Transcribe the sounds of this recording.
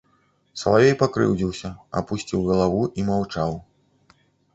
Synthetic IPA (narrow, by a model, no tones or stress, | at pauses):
sɐ̰lˠavʲejpakɾɨ̰wd͡zʲiwsʲɐa̰pusʲt͡sʲiwɣɐlˠavuʔimawt͡ʂaw